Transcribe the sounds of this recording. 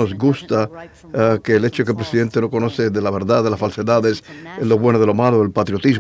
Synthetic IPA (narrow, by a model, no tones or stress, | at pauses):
ozɡust̪a | keːlet͡ʃokelpɾesiðe̞nt̪eno̞ko̞no̞θeðelaβeɾðaðelasfalseðaðeslːoβwe̞noð̞elomaloelpat̪ɾjo̞t̪iz